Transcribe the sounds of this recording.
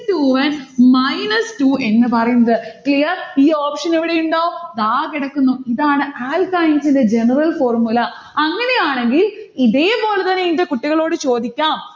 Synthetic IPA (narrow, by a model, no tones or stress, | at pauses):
tuːʋɐnmɐjnɐstuːʔe̞nːɨpɐrɐjunːɐðɨklijɐriːoːpʂɐneʋiɽe̞juɳɖaːʋod̪aːkiɽɐkːunːuiðaːɳɨaːlkajnsinde̞d͡ʑe̞nɐrɐlfo̞ːrmulɐ | ɐŋːɐne̞jaːɳe̞ŋɡiliðejpːo̞ːlɐt̪ɐnːeindekuʈːiɣɐɭo̞ːɽɨt͡ɕo̞ːd̪ikʲːaːm